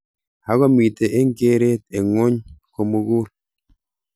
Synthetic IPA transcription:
a˦ɣɔ˦˨mi˨te˨ʔe˦ŋɡe˦ɾe˦t̪e˨ŋʊ˦ɲko˨mu˦ɣu˦l

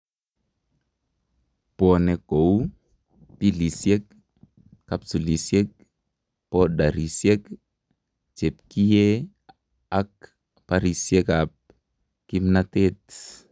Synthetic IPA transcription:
pɔ˨nɛ˨ko˨w | pi˦li˨sjɛ˦k̚ː | apsu˨li˨sje˦k̚ | pɔɗa˨ɾi˨sjɛ˦k | t͡ʃe˨p̚ki˦je˦ | a˦k | paɾi˨sjɛ˦kap̚ | ki˦mnatet

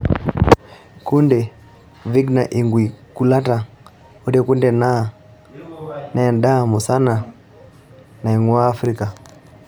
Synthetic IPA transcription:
ku˦ndɛ˨ | vi˦ɡna˨ʔi˨ŋɡwi˨ku˨la˦ta˨ | ɔ˦dɛ˦ku˦ndɛna˦˨ | na˨a˨nda˦˨mu˨sa˦na˨ | na˨i˨ŋwaː˦fɾika˨

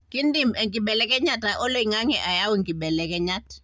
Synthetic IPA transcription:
ki˦ndi˦˨mɛ˨ŋki˨ɓɛ˨lɛ˦k̬ɛ˦ɲa˦ta˨ʔɔ˦lo˦i˨ŋa˦ŋɛ̰˨ʔa˨ja˦wɔ˨ŋki˨ɓɛ˨lɛ˨k̬ɛ˦ɲa˦tḁ˨

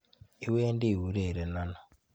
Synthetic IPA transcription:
i˦weː˦ndiː˦wu˦ɾe˨ɾe˨na˦no˨

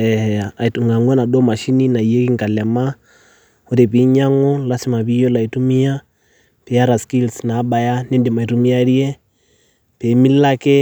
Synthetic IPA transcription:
ɛhɛa˨i˨tu˨ŋa˨ŋɡwɛ˦na˨ɗɔ˦ma˨ʃi˦ni˦na˨i˨jɛ˦ki˦ŋka˨lɛ˨ma˦ | ɔ˦ɾɛ˨pi˨˦ɲa˦ŋɔlasi˦ma˨βi˦jɔ˦la˨i˨tu˦mi˦a˦ | pɛa˦ɾa˨skilsnaː˨˦ɓa˨janɛ˦ndi˨ma˨i˨tu˨mi˦a˦ɾjɛ | pɛ˨mi˦la˦kɛ˦

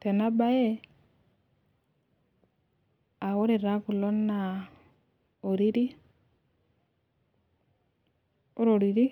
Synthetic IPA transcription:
tɛ˨na˦ba˦ɛ˦ | a˨ɣo˦ɾe˨ɾa˦ku˨lɔ˦nːa˨ | o˨ɾi˦ɾi˦ | o˦ɾo˨ɾi˨ɾi˦

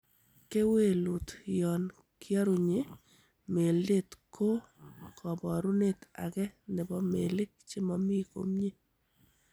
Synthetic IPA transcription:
ke˦we˦˨lu˨t̪jɔ˨n | kjɔ˦ɾu˨ɲe˦ | me˨lde˦t̪kʰo˦kʰɔ˨bɔ˨ɾu˦ne˨t̪a̰˨kɛ˦nɪ˨bɔ˦me˨lɪ˦k̚t͡ʃe˦mɔ˨mi˦ko̰˨˦mɲe˦

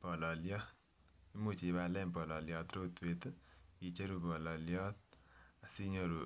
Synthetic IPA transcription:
b̥ɔ˨lɔ˨ljɔ˦ | i˦mu˨t͡ʃi˨ba˧lɛ˦˨bɔ˨lɔ˨lja˨t̪ɾo˦˨t̪we˦˨t̪ji˨t͡ʃə˦ɾu˨bɔ˨lɔ˨ljɔ˦ | ə˨si˦ɲo˦˨ɾu˨

